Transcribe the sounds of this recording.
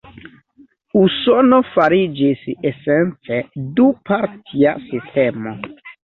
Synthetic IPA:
usonofaɾid͡ʒisesent͡sedupaɾtʰia̰sistemo

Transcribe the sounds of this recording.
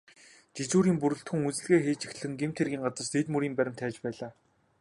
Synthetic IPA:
t͡ɕit͡ɕuːɾiːmpuɾɵ̆ɬt̪xɵ̆ŋut͡sɘ̆ɮɣeːxeːt͡ɕixt̪ɮɘ̆ŋɡemt̪ʰerɣʲiːŋɢat͡sə̆r̥st̪ʰet̪muɾiːmpæɾʲɪ̆m̥t̪ʰæːt͡ɕpæːɮaː

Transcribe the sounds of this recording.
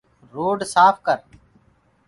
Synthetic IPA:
ɾoːɖsaːpʰkəɾ

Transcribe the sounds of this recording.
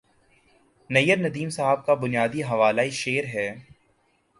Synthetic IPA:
nɐjːəɾnɐd̪iːmsaɦəb̚kabʊnijaːd̪iɦɐʋaːlaːiʃeːɾɦɛː

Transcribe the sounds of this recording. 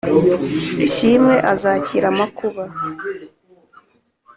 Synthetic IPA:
cimŋe̞ʔazaːciɾamakuβa

